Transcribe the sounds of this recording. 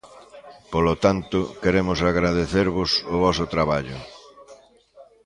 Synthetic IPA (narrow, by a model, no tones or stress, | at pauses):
polot̪ant̪ʊkeɾemʊsaɣɾaðeθeɾβʊsʊβɔsʊt̪ɾaβaʎʊ